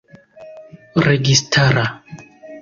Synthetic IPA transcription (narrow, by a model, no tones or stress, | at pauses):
ɾeɡistʰaɾa